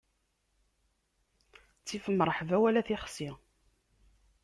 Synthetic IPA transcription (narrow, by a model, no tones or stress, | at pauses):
t͡sːifəmːɾˤəħvæwælæθiχsi